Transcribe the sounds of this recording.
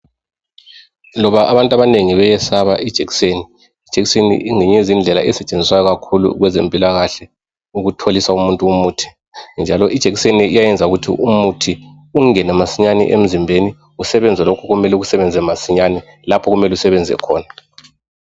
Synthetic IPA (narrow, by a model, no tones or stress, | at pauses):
lɔβaʔaβantʼaβaneŋiβɛjɛsaβaʔid̥ʒ̥ʱeɣi̥seniː | d̥ʒ̥ʱeɣisenḭʔiŋeɲezind͡ɮʱɛla̰ʔɛsɛt͡ʃʼend͡zʱiswajɔɣakʰulṵɣwɛzempʼilaɣaɬɛ | uɣutʰolisaumuntʼuumuːtʰi̥ | nd͡ʒʱalɔʔid̥ʒ̥ʱeɣiseniijajɛnd͡zʱauɣutʰḭʔumutʰi | uŋɛnɛmasiɲanḭʔḛm̩zimbʱeni | usɛβɛnd͡zʱɛlokʰɔɣumɛlɛuɣusɛβɛnd͡zʱɛmasiɲani | lapʰɔɣumɛlusɛβɛnd͡zʱɛ̰kʰɔːna